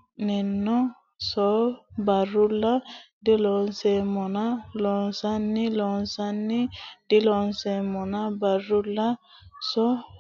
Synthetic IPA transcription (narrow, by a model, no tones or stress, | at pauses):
nɛnːɔ | sɔbaɾula | delɔnsɛmɔnalɔnsanːilɔnsanːid̥ilɔnsɛmɔnabaɾula | sɔ